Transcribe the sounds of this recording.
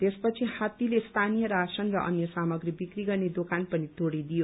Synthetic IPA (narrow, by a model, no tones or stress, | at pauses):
t̪espʌt͡sʰihat̪ilest̪ʰanijʌɾasʌnrʌʔʌ̰njʌsamʌɡribikriɡʌrned̪okanpʌnit̪oɽid̪ijo